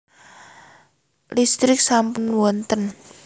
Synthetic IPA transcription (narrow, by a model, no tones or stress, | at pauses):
list̪ɾɪk̚sampʊnwɔnt̪ən